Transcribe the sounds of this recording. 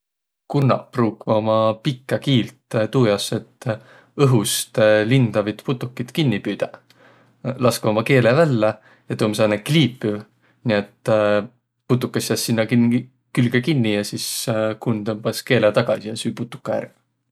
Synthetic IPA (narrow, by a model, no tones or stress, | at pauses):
kunːɑ̰pruːkːomɑpikːˑɑkiːlt̪t̪uːjɑse̞t̪ːˑ | ɤɦust̪lind̪̥ɑvit̪put̪ːˑukːˑit̪kinʲːipyːd̪̥ɑ | lɑskomɑke̞ːlevælːe | jɑt̪uːmsɑːnekliːpːˑy | niet̪ː | put̪̬ːˑukːˑɑsɑsːinːɑkin | kylɡ̥ekinːijɑsiskunt̪ɤmpɑske̞ːlet̪ɑɡ̥ɑsijɑsyːjput̪ːˑu̥kːˑɑjæ̰rv